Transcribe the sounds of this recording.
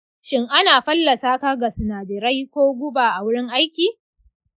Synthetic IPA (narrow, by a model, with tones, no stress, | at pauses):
ʃɪ˦ŋʔa˦naː˨ɸɐ˦lːɐ˨saː˦ka˦ɡa˨sɪ˨naː˨dɪ˨ɾɐ˦jkʷoː˦ɡʷʊ˦baː˨ʔa˨wʊ˦ɽɪ˦ŋʔa˦jkʲiː˨